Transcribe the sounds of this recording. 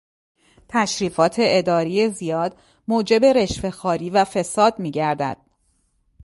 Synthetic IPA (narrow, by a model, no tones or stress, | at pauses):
t̪ʰæʃɾiːfɒːt̪ʰe̞ʔed̪ɒːɾijezijɒːd̪ | moːd͡ʒe̞be̞ɾeʃfe̞xɒːɾiːvæfe̞sɒːd̪̥miːɟæɾd̪æ̰d̪̥̚